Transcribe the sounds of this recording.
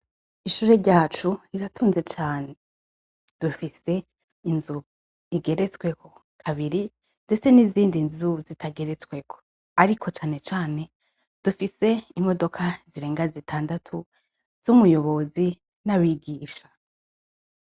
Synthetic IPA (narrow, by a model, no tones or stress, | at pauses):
iʃuːɾe̞ɾɟaːt͡ʃuiɾatʰuːnze̞t͡ʃaːne̞ | d̥ufise̞ | inzu | iɡe̞ɾe̞t͡swe̞kʰo̞ | kʰaβiɾi | nde̞t͡se̞niziːndinzuzitʰaɡe̞ɾe̞t͡swe̞kʰo̥ | aɾikʰo̞t͡ʃaːne̞t͡ʃaːne̞ | d̥ufise̞imo̞do̞kʰaziɾe̞ːŋɡazitʰaːndatʰu | z̥umujo̞βo̞zi | nawiɡiːʃḁ